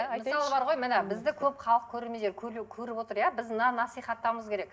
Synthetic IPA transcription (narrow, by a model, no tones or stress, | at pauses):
məsɑlˠəbɑɾʁojmɪnebɪzd̪ɪkʲʰɵpχɑlˠəq̚kʲʰɵɾemejd̪eɾkʲʰɵɾkʲʰɵɾɪpwo̞t̪əɾjabɪznɑnɑsijχɑt̪ːɑwməzkʲʰe̞ɾe̞k